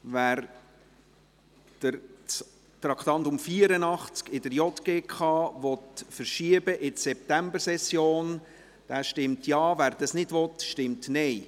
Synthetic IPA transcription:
ʋæːɾ | d̥əɾt͡s | t̪ɾɑkt̪ɑntʊmfiːəɾənɑχt͡skɪdəɾjɔtɡ̥eːkʰχɑːʋɔtfəɾʃiəbəʔɪtsɛp̚t̪æmbəɾsɛsjoːn | d̥æːʃtɪmtjɑːvæːɾd̥̪ɑsnɪd̥ʋɔt̪ʃtɪmtnɛɪ

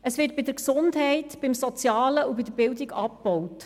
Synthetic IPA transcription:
əsʋɪːt̚b̥ɪdəɾksʊndɦɛɪtb̥ɪmsɔt͡sjɑːləubɪdəbɪldiɡɑp̚b̥ɔwt

